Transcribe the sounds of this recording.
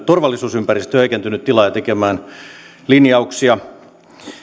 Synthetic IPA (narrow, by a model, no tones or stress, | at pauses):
t̪orʋɑlːisuːsympærist̪høikent̪ynyt̪t̪ilɑjɑt̪ekemæːn | linjɑuksiɑ